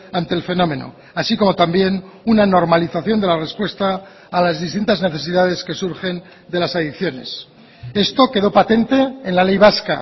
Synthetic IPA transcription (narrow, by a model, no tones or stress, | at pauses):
ant̪e̞ːlfe̞no̞mẽ̞no̞̰ | asiko̞mo̞t̪ambje̞n | unano̞ɾmaliθaθjo̞nd̪elare̞spwe̞st̪aː | lazðist̪int̪azne̞θe̞siðað̞e̞ske̞suɾχe̞n | d̪e̞lasaðikθjo̞ne̞̰s | e̞st̪o̞ke̞ð̞o̞pat̪e̞nt̪e̞ːnlale̞jβaska